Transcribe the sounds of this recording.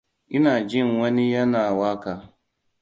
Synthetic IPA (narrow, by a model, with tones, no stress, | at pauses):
ʔɪ˦naː˨d͡ʒɪ˦˨ŋwɐ˦ni˦jɐ˦naː˨waː˦kaː˨